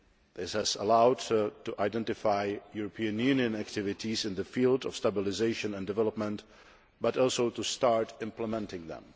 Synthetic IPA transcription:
ðɪshæzəlaʊdtuʔaɪdɛ̃ntɪfaɪjuɹɔpʰiɨ̃njʉniɨ̃næk̚tʰɪvɪtʰizɪ̃nðəfiːlˠdɔ̰fstabɪlɪzeɪʃə̃nɛ̃ndɪvɛlˠəp̚mə̃nt | bʌtɔlˠsoʊtustɑɹtɪ̃mpləmɛ̃ntɪ̃ŋðɛ̰̃m

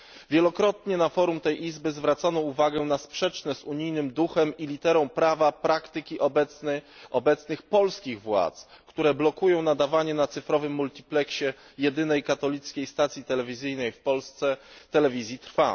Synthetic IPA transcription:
vʲjɛlɔkɾɔt̪ɲɛnafɔɾumt̪ɛjʔizbɘzvɾat̪sanɔuvaɡɛnaspʂɛt͡ʂnɛzuɲijnɘmd̪uxɛmilʲit̪ɛɾɔ̃w̃pɾavapɾakt̪ɘkʲiʔɔb̪ | ɔbɛt̪snɘxpɔlskʲiɣvwa̰t̪skt̪uɾɛblɔkujɔ̃w̃nad̪avaɲɛnat̪sɘfɾɔvɘmːult̪ʲiplɛkɕɛ | jɛd̪ɘnɛjkat̪ɔlʲit̪skʲejst̪at̪sʲjit̪ɛlɛvʲizɘjnɛjfpɔlst̪sɛt̪ɛlɛvʲizʲjit̪ɾfa̰

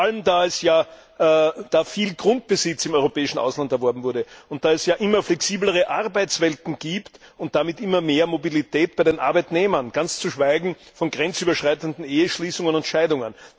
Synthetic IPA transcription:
faləmdaːɛsjaː | d̥aːfiːlɡ̥ʁʊnt̚b̥əzɪt͡sɪmɔʏʁopɛːɪʃn̩ʔa̰ʊslantɛɐvɔɐbm̩vʊɐdəʊnt̚d̥aːɛsjaːʔɪmɐflɛksiːbləʁ̞əʔaʁbæɪt͡ssv̥ɛltn̩ɡ̥iːptʊnt̚d̥amɪtʔɪmɐmeːɐmobilitʰɛːt̚b̥aɪdenʔa̰ɐbæɪtneːmɐnɡ̥ant͡st͡suʃv̥aɪɡŋ̩fɔnɡ̥ʁɛnt͡syːbɐʃʁ̥aɪtəndn̩eːəʃliːsʊŋənʊntʃaɪdʊŋən

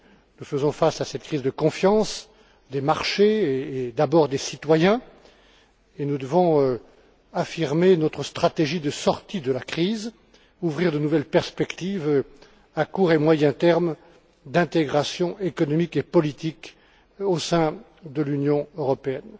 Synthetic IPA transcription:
nufəzɔ̃fasasɛt̪kχizd̪əkɔ̃fjɑ̃s | d̪emaʁʃeːd̪abɔʁd̪esit̪wajɛ̃ | enud̪əvɔ̃ | afiʁmenɔt̪χəst̪χat̪eʒid̪əsɔʁt̪id̪əlakχiz | uvʁiʁd̪ənuvɛlpɛʁspɛkt̪iv | akuʁemwajɛ̃t̪ɛʁm | d̪ɛ̃t̪eɡʁasjɔ̃ʔekɔnɔmikepɔlit̪ik | osɛ̃ | d̪əlynjɔ̃øʁɔpeɛn

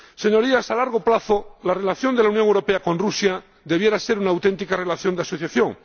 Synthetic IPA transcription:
se̞ɲo̞ɾiasalaɾɣ̞o̞plaθolare̞laθjo̞nd̪elawnjoŋewɾo̞pe̞ako̞nrusja | d̪e̞βje̞ɾase̞ɾunaːwt̪e̞nt̪ikare̞laθjo̞nd̪asoθjaθjo̞ŋ

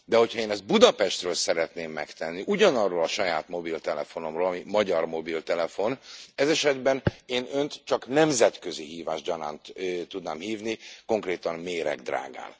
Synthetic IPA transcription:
d̪ɛɦo̞chɒeːnɛzd̪̚bud̪ɒpɛʃt̪røːlsɛɾɛt̪neːmːɛkt̪ɛnːiʔuɟɒnɒrːoːlɒʃɒjaːt̪mo̞bilt̪ɛlɛfo̞no̞mroːlɒmimɒɟɒrmo̞bilt̪ɛlɛfo̞nɛzɛʃɛd̪bɛneːnø̞nt̪t͡ʃɒknɛmzɛt̪køziɦiːvaːʒɟɒna̰ːnt̪ːt̪ud̪naːmhiːvniko̞ŋkreːt̪ɒnmeːɾɛ̰ɡd̪ra̰ːɡa̰ːn

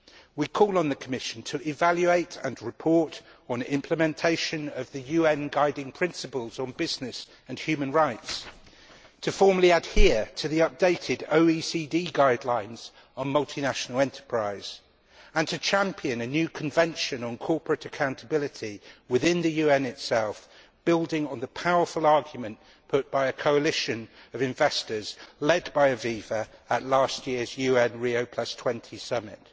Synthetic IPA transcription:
wikʰɔːlˠə̃nðəkʰəmɪʃə̃n̩tʰəʔɪvaljʉeɪtə̰̃nɹɪpʰɔɹtn̩ɪ̃mpʰləmɛ̃ntʰeɪʃə̃nəvðɨjʉːɛ̃nɡaɪdɪ̃ŋpʰɹ̥ɪ̃nsɨpəlˠzn̩bɪznɪs | ə̃nhjʉːmə̃nɹaɪts | tʰəfɔɹməliad̥hɪətʰəðiʌp̚d̥eɪtʰɪdoʊisidiːɡaɪdˡlãɪ̃nz̥ | n̩mʌlˠtʰinaʃənəl̩ˠɛ̃ntʰə̥pʰɹ̥aɪz̥ | ə̃ntʰɨt͡ʃʰãmpʰiɨ̃nənjʉːkʰə̃ɱvɛ̃nʃə̃nə̃nkʰɔˑpʰɹɨtəkʰãʊ̃ntʰəbɪlɪtʰiwɪðɪ̃nðɨjʉːɛ̃nɪtsɛlˠf | b̥ɪlˠdɪ̃ŋə̃nðəpʰaʊə˞fəlˠɑɹɡjmə̃n | pʰʊʔ̚b̥aɪəkʰoʊəlɪʃə̃nəvɪ̃ɱvɛstəzlɛdbaɪəviːvəəʔˡlɑˑstjɪəzjʉːɛ̃nɹioʊpʰl̥ʌstʰw̥ɛ̃ntʰisʌmɪ̰t

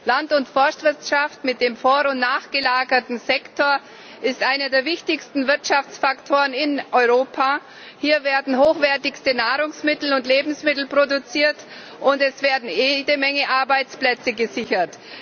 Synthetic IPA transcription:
lantʊntfɔɐstv̥ɪɐtʃaftmɪt̚d̥eːmfoːʁʊntnaːχɡ̥əlaːɡɐtn̩zɛktʰoːɐ | ʔɪstʔaɪnɐdeːɐvɪçtɪçstn̩vɪɐtʃaft͡sfaktʰoːʁənɪnʔɔʏʁoːpʰa | hiːɐveːɐdn̩ɦoːxv̥ɛɐtɪçstənaːʁʊŋsmɪtl̩ʊntleːbm̩smɪtl̩pʁ̥odut͡siːɐt | ʔʊntɛsv̥eːɐdn̩jeːdəmɛŋəʔaɐbaɪt͡splɛt͡səɡəzɪçɐt

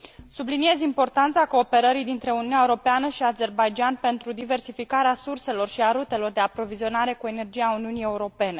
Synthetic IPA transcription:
sublinie̞zimpo̞rt̪ant̪sako̞ːpe̞ɾəɾijd̪int̪ɾe̞ununʲaeuɾopeanəʃiaze̞rbajd͡ʒianpe̞nt̪ɾud̪ive̞rsifikaɾeasurse̞lo̞rʃiaɾut̪e̞lo̞rd̪e̞apɾo̞vizio̞naɾe̞kue̞ne̞rd͡ʒijauniunie̞uɾo̞pe̞ne̞

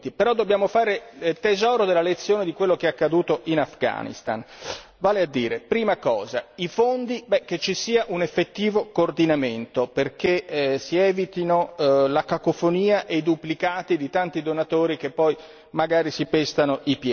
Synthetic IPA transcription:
t̪ipeɾɔd̪ːobːjaːmofaːɾet̪ezɔːɾod̪elːalet̪sːjoːned̪ikwelːokeɛakːad̪uːt̪oʔinafɡa̰nḭst̪a̰n | vaːlead̪ːiːɾepɾiːmakɔːzaifond̪ibɛk̟et͡ʃːisiːaʔunefːet̪ːiːvokoːrd̪inament̪operk̟esiɛːvit̪inolakakofoniːaʔejd̪uplikaːt̪id̪it̪ant̪id̪onat̪oːɾik̟epːɔj | maɡaːɾisipɛst̪anoipjɛ

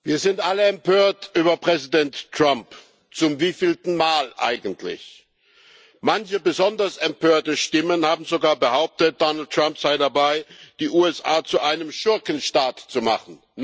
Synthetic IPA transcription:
viːɐzɪntʔaləɛmpʰøːɐtʔyːbɐpʁ̥ɛzidɛntːʁ̥amp | t͡sʊmviːfiːlstn̩maːlʔa̰ɪɡn̩tʰlɪ̰ç | mançəbəzɔndɐsɛmpʰøːɐtəʃtɪmənhaːbm̩zoɡaːɐbəhaʊp̚tət̚d̥ɔnl̩t̚tʁ̥ampz̥aɪdabaɪd̥iːʔuːɛsʔa̰ːt͡suʔaɪnəmʃʊɐkənʃtaːtt͡suma̰χn̩

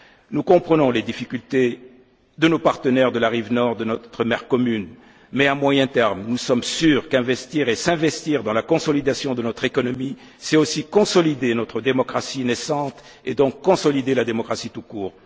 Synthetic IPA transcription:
nukɔ̃pχənɔ̃led̪ifikʲylt̪e | d̪ənopaʁt̪ənɛʁd̪əlaʁivnɔʁd̪ənɔt̪χəmɛʁkɔmyn | mɛãmwajɛ̃t̪ɛʁmnusɔmsyːʁkɛ̃vɛst̪iʁesɛ̃vɛst̪iʁd̪ɑ̃lakɔ̃sɔlid̪asjɔ̃d̪ənɔt̪χekɔnɔmi | sɛosikɔ̃sɔlid̪enɔt̪χəd̪emɔkχasinɛsɑ̃t̪ | ed̪ɔ̃kːɔ̃sɔlid̪elad̪emɔkχasit̪ukuːʁ

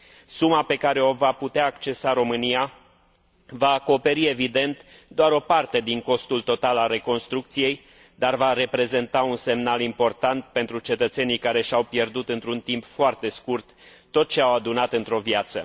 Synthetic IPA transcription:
sumape̞kaɾe̞o̞vaput̪eaːkt͡ʃe̞saɾo̞mɨnija | vaːko̞pe̞ɾie̞vid̪e̞nt̪d̪oaɾo̞part̪e̞d̪iŋko̞st̪ult̪o̞t̪alalre̞ko̞nst̪ɾuk̚t̪sije̞j | d̪arvaɾe̞pɾe̞ze̞nt̪aunse̞mnalimpo̞rt̪ant̪̚pe̞nt̪ɾut͡ʃe̞t̪ət̪se̞nijkaɾe̞ʃawpje̞rd̪ut̪ɨnt̪ɾunt̪impfoart̪e̞skurt̪ː | o̞t̪̚t͡ʃe̞awad̪unat̪ɨnt̪ɾo̞vjat̪sə̰

